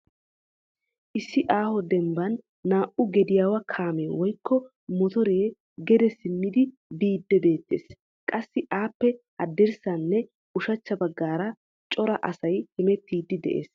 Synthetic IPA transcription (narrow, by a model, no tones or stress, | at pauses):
ʔɪsːɪʔaːhɔd̪ɛmbɐnː | aːʔʊɡɛd̪ɪjaːwɐkʰaːmeːwɔjkʰːɔ | mɔt̪ɔɾeː | ɡɛd̪ɛsɪmːɪd̪ɪ | biːd̪ːɛbe̞ːt̪ːḛːs | kʼɐsːɪʔaːpːɛ | ɐd̪ːɛɾsɐnːɛ | ʊʃɐt͡ʃːɐbɐɡːaːɾɐ | t͡ʃʼɔɾɐʔɐsɐjhɪmɛt̪ːiːd̪ːɪd̪ɛ̰ʔḛːs